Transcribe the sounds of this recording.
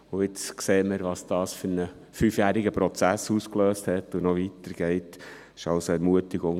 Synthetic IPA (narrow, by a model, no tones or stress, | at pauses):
ʊɪt͡skseːməɾʋɑsd̥ɑːsfyɾnə | fyfjæːɾɪɡəpɾɔt͡sæsuskløːsthɛtːunɔʋitəɾɡ̥ɛɪt | ɪʃɑlsoɛɾmuətɪɡʊŋ